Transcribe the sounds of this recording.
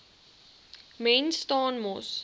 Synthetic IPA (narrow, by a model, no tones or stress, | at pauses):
mẽːnstɔ̃ːnmoːs